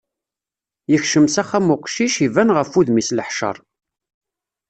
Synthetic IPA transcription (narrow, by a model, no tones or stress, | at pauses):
jəçʃəmsæχæmʊqʃiʃivænʁəfuðmisləħʃə̰ɾˤ